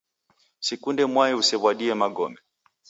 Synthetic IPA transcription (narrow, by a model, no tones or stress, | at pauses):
sikundɛmwaɛusɛβwaɗiɛmaɡɔmɛ